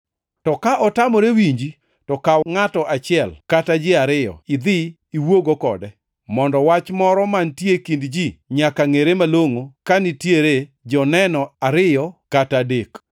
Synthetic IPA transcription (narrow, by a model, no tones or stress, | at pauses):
tɔkaʔɔtamɔɾewiɲd͡ʒi | tɔkaŋatɔʔat͡ʃɪɛlkatad͡ʒɪaɾɪjɔ̰ɪd̪ɪ | iwoɡokɔ̰dɛ | mɔndɔwat͡ʃmɔɾɔmantjekindd͡ʒiɲakaŋeɾemaloŋokanɪtjeɾed͡ʒɔnɛnɔaɾɪjɔkatadek